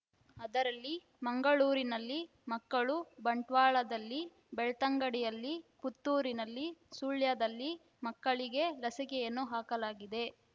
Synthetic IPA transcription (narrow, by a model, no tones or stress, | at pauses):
ɐd̪ɐɾɐlːi | mɐŋɡɐɭuːɾinɐlːi | mɐkːɐɭubɐɳʈʋaːɭɐd̪ɐlːi | bɛɭt̪ɐŋɡɐɽijɐlːiput̪ːuːɾinɐlːisuɭjɐd̪ɐlːi | mɐkːɐɭiɡe̞lɐsikejenːuɦaːkɐlaːɡid̪e̞